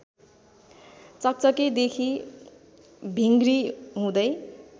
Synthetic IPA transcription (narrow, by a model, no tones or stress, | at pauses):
t͡sʌk̚t͡sʌked̪ekʰi | bʱiŋɡriɦũd̪ʌj